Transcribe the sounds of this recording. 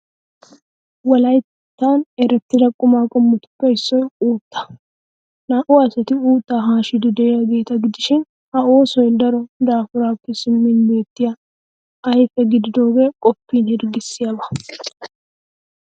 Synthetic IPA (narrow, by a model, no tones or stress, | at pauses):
wɐlɐjt̪ː | t̪ːaːnɛɾɛt̪ːɪdɐkʼːʊmaːkʼɔmːʊt̪ʊ̥pːɐɪsːɔjuːt̪ːɐ̥ | naʔʊaːsɛt̪ɪuːt̪ːaːɦaːʃɪd̪ɪd̪ɛɛjɐɡe̞ːt̪ɐɡɪd̪ɪʃɪn | hɐo̞ːsɔjd̪ɐɾɔd̪aːfʊɾaːkːɪsʊmːɪnbe̞ːt̪ːɪjɐ | ɐjfɛɡɪd̪ɪd̪o̞ːɡekʼɔpːiːnhɪɾɡɪsːɪjɐbɐ̥